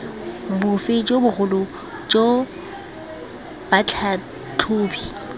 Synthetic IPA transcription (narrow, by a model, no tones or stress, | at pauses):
bʊfɪd͡ʒobʊɣʊlʊ | d͡ʒo | b̥at͡ɬʰa | t͡ɬʰʊːbi